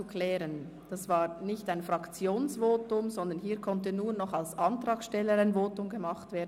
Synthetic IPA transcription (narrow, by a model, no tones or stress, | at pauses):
ukl̥ɛːʁən | d̥asv̥aːʁnɪçtaɪnfʁɑkt͡sjoːnsvoːtʊmzɔnd̪ɐnɦiːɐkʰɔntənuːɐnɔχalsʔɑntʁaːksʃtɛlːəɾaɪnvoːtʊmɡəmɑχtv̥eːɐd